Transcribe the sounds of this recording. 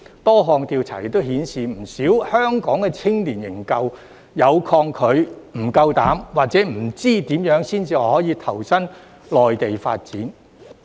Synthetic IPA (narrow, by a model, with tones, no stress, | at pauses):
t̪ɔː˥ɦɔː˧ŋt̪iː˧wt͡sʰa̰ː˨˩jɪ˨k̚t̪o˥whiː˨˥nsiː˨m̩˨˩siː˨˥whœː˥ŋkɔː˨˥ŋkɛ˧t͡sʰɪ˥ŋliː˨˩njɪ˨˩ŋkɐ˧w | jɐ˨˧wkʰɔː˧ŋkʰɵ˨˧ɥm̩˨˩kɐ˧wt̪aː˨˥mwaː˨˩k̚t͡sɛː˨˥m̩˨˩t͡siː˥t̪iː˨˥mjœː˨˥ŋsiː˥nt͡siː˨˧ɔː˧hɔː˨˥jiː˨˧t̪ʰɐ˨˩wsɐ˥n | lɔː˨jt̪e˨jfa̰ː˧t̚t͡siː˨˥n